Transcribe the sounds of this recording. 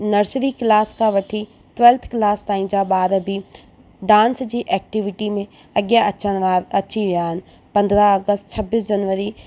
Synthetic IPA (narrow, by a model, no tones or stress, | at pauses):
nɐɾsɾikɪlaːskʰãʋɐʈʰi | t̪ʋɛːlt̪ʰkɪlaːst̪aːĩd͡ʑaːɓaːɾbʱi | ɖãːnsd͡ʑiːʔɛːk̚ʈiʋɪʈimẽ | ɐɠjaɐt͡ɕːɐt͡ɕiʋijaːɦɪnɪ̆ | pɐ̃nd̪ɾaɐɡəst̪t͡ɕʰɐbiːs̬d͡ʑɐnʋəɾi